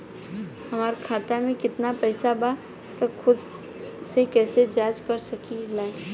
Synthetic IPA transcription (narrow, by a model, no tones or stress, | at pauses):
hɐmaːɾkʰaːt̪amẽkɪt̪napɛːsaba | t̪ɐxʊd̪ | sekɛːsed͡ʒaːd͡ʒkɐɾsɐkilaːe